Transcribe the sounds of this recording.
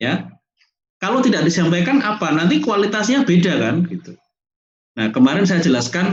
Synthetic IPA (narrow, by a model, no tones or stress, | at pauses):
ja | kalowt̪idaʔ̚disampakanapanant̪ikuwalit̪asɲabedakanɡ̥it̪u̥ | nahkəmaɾɪns̬ajad͡ʒəlaskan